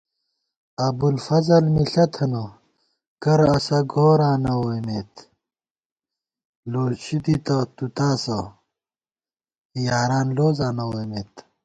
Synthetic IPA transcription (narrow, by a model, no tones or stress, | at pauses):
ɐbulfɐzɐlmiɬɐt̪ʰɐnɐ | kɐɾɐsɐɡoːɾaːnɐwomeːt̪ | loːzɕid̪it̪ɐt̪ut̪aːsɐ | jaːɾaːnloːzãːnɐwojmeːt̪